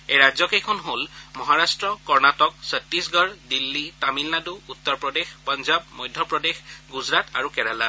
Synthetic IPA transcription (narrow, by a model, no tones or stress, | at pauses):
ejɹazɔkejkʰɔnɦolmɔɦaɹastɹɔkɔɹnatɔk̚sətːisɡɔɹdilːitamilnaduutːɔɹpɹɔdexpɔnzabmɔjdʱjɔpɹɔdexɡuzɹata̰ɹukɛɹala